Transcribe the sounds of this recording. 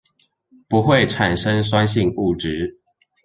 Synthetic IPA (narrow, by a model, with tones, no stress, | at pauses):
pu˨˦xwe˥˨ɪʈ͡ʂʰa˨˩nʂə˦ŋswa˦nɕ̬i˥˨ŋu˥˨ʈ͡ʂɻ̩˨˦